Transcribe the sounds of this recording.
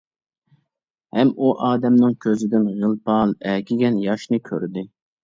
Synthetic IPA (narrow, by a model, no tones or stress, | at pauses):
hɛmuʔɑːd̪ɛmnɨŋkʲʰøzɪd̪ɪnʁəlˠpʰɑlˠɛkʲʰiɡʲɛnjɑʃnɨkʲʰø̰ɾd̪ɪ